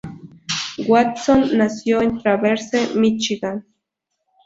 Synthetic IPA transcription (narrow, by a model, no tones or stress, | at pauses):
ɡwatt͡sonːasjont̪ɾaβeɾsemit͡ʃiɡan